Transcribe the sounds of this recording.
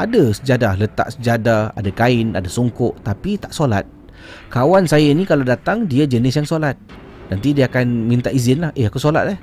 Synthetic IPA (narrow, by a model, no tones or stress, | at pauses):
adasəd͡ʒadahlət̪a̰ʔsəd͡ʒadaa̰dakaɪna̰dasuŋkʊʔt̪apit̪aʔsolat̪̚ | kawansajanikaladat̪aŋdiad͡ʒənɪsjaŋsolat̪̚ | nant̪idiaakanmĩnt̪aʔizɪnlahʔeakusola̰t̪̚lɛh